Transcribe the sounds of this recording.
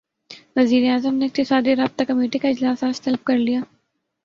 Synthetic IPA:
ʋɐziːɾeaːzəmneːk̚t̪isaːd̪iɾaːbt̪akɐmeːʈikaɪd͡ʒlaːsaːst̪ɐlb̚kɐɾlijaː

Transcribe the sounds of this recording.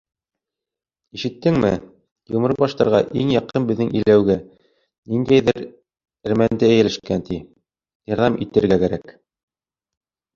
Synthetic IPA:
iʃɘ̆t̪ːɘŋmɘ | jŭmɤ̆ɾɤbɑʃt̪ɑɾʁɑʔḭŋjɑqɤnbɘ̆ðːɘŋʔɘ̰̆jlæwɡæ | nind̪æjðɘɾ | ɘ̆ɾmænd̪ɘæjɘ̆lɘ̆ʃkænt̪i | jɑɾðɑmʔit̪ɘ̆ɾɡækæɾæk

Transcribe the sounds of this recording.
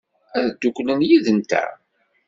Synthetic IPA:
æðd̪̥ːukʷlənjiðənt̪æ̰

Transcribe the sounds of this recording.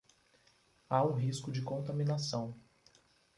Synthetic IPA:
aũɦiskʊd͡ʒɪkõnt̪ɐminasɐ̃w̃

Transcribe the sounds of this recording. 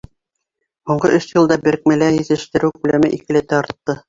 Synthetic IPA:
huɴɢɤʔɵsjɤ̆lˠd̪ɑbɘ̆ɾk̚mæ̆læjɘ̆zɘ̆ʃt̪ɘ̆ɾɘwkʉlæmɘʔikɘ̆lɘ̆t̪æɑɾt̪ːɤ

